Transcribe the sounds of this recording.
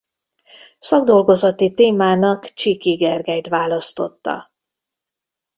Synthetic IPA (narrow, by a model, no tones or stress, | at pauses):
sɒɡd̪o̞lɡo̞zɒt̪it̪eːmaːnɒkt͡ʃikiɡɛrɡɛjt̪ʋaːlɒst̪o̞t̪ːɒ̰